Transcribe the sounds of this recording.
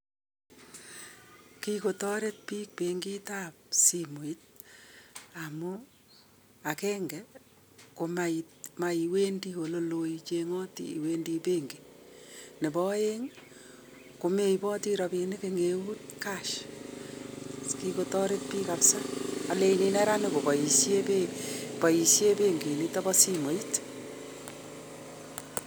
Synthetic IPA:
kiko˨tɔ˦ɾe˦t̚piː˦k̚peŋɡi˦ta˦p̚simu˨i˦t̚ | amu | akɛːŋɡɛ | ko˨mai | ma˨iwe˦ndi˦o˨lo˨lo˨jit͡ʃeŋɔː˦tḭḭ˨wendi˧peŋɡi˨ | ne˨bɔ˦e˦ŋ | ko˨me˦i˨pɔ˦tiɾɔ˨pe˨nɪ˦keŋe˨wu˦tkaʃ | ski˧ko˨tɔ˦ɾe˦t̚pi˦kapsa˦a˨le˨ini˨nɛ˦ɾa˦ne˨bo˨pɔ˨i˨sje˦pepɔ˨i˨sje˦pe˦ŋɡe˨ni˦tɔ˦bɔ˦si˦mo˨it

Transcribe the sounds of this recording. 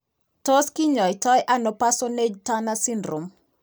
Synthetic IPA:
to˦ski˦ɲɔ˨jtɔ˦jʔa˦nɔ˨pa˦so˦ne˦d͡ʒta˦nasi˦ndɾo˨m

